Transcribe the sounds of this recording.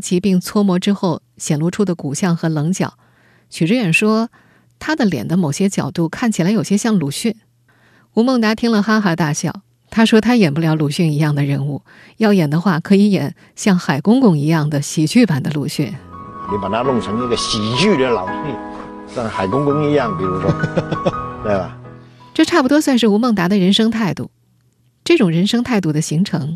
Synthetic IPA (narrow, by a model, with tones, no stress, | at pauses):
t͡ɕʰi˧˥pi˥˩ŋt͡sʰwɔ˥mwɔ˧˥ʈ͡ʂɻ̩˥xo˥˩ʊ | ɕjɛ˨˩nlwɔ˥˧ʈ͡ʂʰu˥d̪ə˨ku˨˩ɕjɑ˥˩ŋxɤ˧˥lɤ˧˥ŋt͡ɕjɑ̰˨˩˦ʊ | t͡ɕʰy˨˩ʈ͡ʂɻ̩˥ɥɛ˨˩nʂwɔ˥ | t̪ʰa˥d̪ə˨ljɛ̰˨˩nd̪ə˦mo˨˩ʊɕjɛ˥t͡ɕjɑ˨˩ʊt̪u˥˩˧kʰa˥˩nt͡ɕʰi˨˩la˧˥ɪjo˨˩ʊɕjɛ˥ɕjɑ˥˩ŋlu˧˥ɕy˥˩n | u˧˥mɤ˥˩ŋt̪a˥t̪ʰi˥ŋlə˨xa˥xa˧˥t̪a˥˧ɕjɑ˥˩ʊ | t̪ʰa˥ʂwɔ˥t̪ʰa˥jɛ˨˩npu˥˧ljɑ˧˥ʊlu˧˩ɕy˥˩ni˧˥jɑ˥˩ŋd̪ə˩ɻə˧˥nu˥˩ | jɑ˥˩ʊjɛ˨˩nd̪ə˦xwa˥˩kʰɤ˧˥i˧˥jɛ̰˨˩˦n | ɕjɑ˥˩ŋxa˨˩ɪkʊ˥ŋkʊ˥˧ŋi˧˥jɑ˥˩ŋd̪ə˩ɕi˨˩t͡ɕʰy˥˩pa˨˩nd̪ə˦lu˨˩ɕy̰˥˩n˧˩ni˧˥pa˨˩t̪ʰa˦˥lʊ˥˩ŋʈ͡ʂʰɤ˧˥ŋi˥˧˩ɡə˧˩ɕi˨˩t͡ɕy˥˩d̪ə˨lɑ˨˩ʊti˥˩ɕjɑ˥˩ŋxa˨˩ɪkʊ˥ŋkʊ˥ŋi˧˥jɑ˥˩ŋpi˨˩ɻu˧˥ʂwɔ˥ | t̪we˥˩ɪba̰˨˩ʈ͡ʂɤ˥˧ʈ͡ʂʰa˥˩pu˩t̪̬wɔ˥swa˥˧nʂɻ̩˥˩u˧˥mɤ˥˩ŋt̪a˧˥d̪ə˧ɻə˧˥nʂɤ˥ŋt̪ʰa˥˧ɪt̪ṵ˥˩ | ʈ͡ʂɤ˥˩ʈ͡ʂʊ˨˩ŋɻə˧˥nʂɤ˥ŋt̪ʰa˥˧ɪt̪̬u˥˩d̪ə˩ɕi˧˥ŋʈ͡ʂʰɤ˧˥ŋ